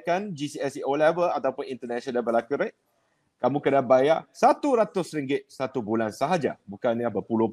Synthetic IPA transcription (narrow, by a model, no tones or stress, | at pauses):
kand͡ʒisiɛsiolɛvəlat̪aupʊnint̪ənaʃɔnabəlakuɾeʔ̚ | kamũkənabajasat̪uɾat̪ʊsɾiŋɡɪt̪̚sat̪ubulansaɦad͡ʒa̰bukanlahbəpulʊ